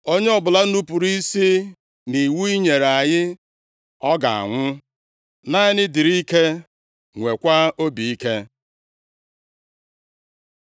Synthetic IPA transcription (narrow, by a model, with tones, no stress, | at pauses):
o˦ɲe˦ɔ˨bʊ˨la˦n̩˦nu˦pu˨ɾi˦si˦ | ni˨wu˦i˦ɲe˨ɾa˨ɲɪ˦ | ɔ˦ɡa̰˨a̰˨ŋʷʊ˦ | na˦ɪ˦nɪ˦di˨ɾi˦ke˦ | ŋʷe˨kʷa˦o˦bi˨i˦ke˦